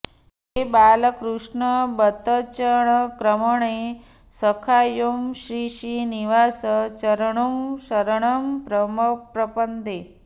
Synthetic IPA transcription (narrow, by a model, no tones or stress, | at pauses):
ebaːləkɾuʂɳəbət̪ət͡ʃəɳəkɾəməɳe | səkʰaːjumɕɾiːʃiːniʋaːsət͡ʃɐɾəɳ̃umʃɐɾəɳ̃əmpɾəməpɾɐpənd̪e